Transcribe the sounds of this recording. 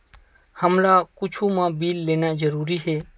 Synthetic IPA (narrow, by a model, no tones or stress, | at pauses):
həmlaːkʊt͡ʃʰuːmãːbiːlːeːnãːd͡ʒəɾuːɾiːɦeː